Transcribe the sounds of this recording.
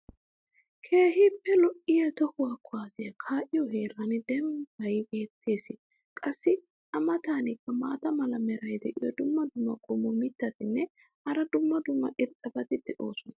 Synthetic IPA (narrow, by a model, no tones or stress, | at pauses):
kʰe̞ːɦɪpːɛlɔʔɪjɐt̪ɔhʊwaːkʰːʊaːzɪjɐkʰaːʔɪjɔɦe̞ːɾɐnɪd̪ɛmɡɐjɡe̞ːt̪ʰːe̞ːsɪ | kʼɐsːɪ | ʔɐmɐt̪aːnɪkːɐmaːt̪ɐmɐlɐmɛɾɐjd̪ɛʔɪjɔd̪ʊmːɐd̪ʊmːɐkʼɔmɔmɪt̪ːɐt̪ɪnːɛ | ɐɾɐd̪ʊmːɐd̪ʊmːɐʔɪɾkʼɐbɐt̪ɪd̪̥ɛʔo̰ːsɔnɐ